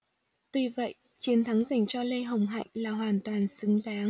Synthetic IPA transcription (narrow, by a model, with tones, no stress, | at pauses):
t̪i˧˩və̰˧˨j | t͡ɕi˨˦ənt̪ʰa˨˦ŋza˨˩jŋ̟t͡ɕɔ˧lə˧jɦə˨˩wŋ͡mɦa̰˧˨jŋ̟laː˨˩ɦwaː˨˩nt̪waː˨˩nsɨ˨˦ŋɗaː˨˦ŋ